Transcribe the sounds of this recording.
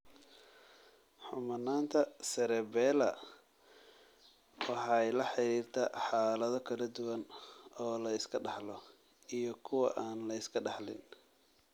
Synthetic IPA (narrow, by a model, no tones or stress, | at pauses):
ħʊmɐnaːnt̪ʰɐsɛɾɛbɛːlɐ̰ | wɑħɑjlɐħɑɾiːrt̪ʰaːħɑːlɐðɔkʰɐlɐd̪ʊwɐnɔːlɐɪskʰɐɖɑħlɔ | ijɞkʰʊwɐʔaːnlɐɪskʰɐɖɑħlɪ̰n